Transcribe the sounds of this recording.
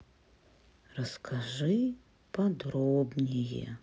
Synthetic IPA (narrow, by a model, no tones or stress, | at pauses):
rɐskʰaʐɨ | pɐd̪ɾobnʲejɛ̰